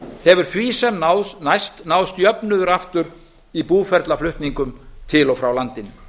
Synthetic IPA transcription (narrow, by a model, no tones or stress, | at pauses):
θɛvʏɾ̥θviːsɛmnawnajst̪naːwðst̪jœpnʏðʏɾaft̪ʏɾ | ipuːfɛɾt̪laflʏht̪niŋkʏmt̪ʰɪlɔfɾawlant̪ɪnʏ